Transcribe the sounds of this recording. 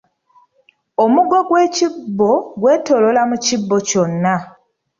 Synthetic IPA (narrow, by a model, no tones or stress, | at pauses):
omuɡo̞ɡwe̞ːcibːo̞ɡwe̞ːto̞lo̞lamucibːoconːa